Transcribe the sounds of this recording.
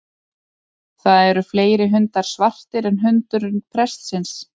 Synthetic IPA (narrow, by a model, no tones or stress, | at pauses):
θaðɛɾʏfleːjɾɪɦʏnt̪aɾ̥svar̥t̪ɪɾɛnɦʏnt̪ʏɾʏnpʰɾɛst̪sɪns